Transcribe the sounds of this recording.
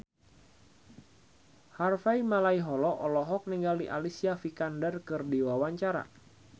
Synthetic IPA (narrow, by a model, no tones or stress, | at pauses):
harfaimalaiɦɔlɔʔɔlɔɦɔk̚niŋɡaldiʔalisiafikandərkɨrdiwawaɲt͡ʃaɾa̰